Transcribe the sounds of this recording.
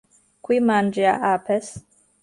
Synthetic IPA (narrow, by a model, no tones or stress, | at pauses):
kwimand͡ʒiaʔapes